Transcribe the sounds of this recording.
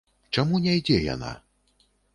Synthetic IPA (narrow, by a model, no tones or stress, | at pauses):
t͡ʂamunʲajd͡zʲɛja̰na̰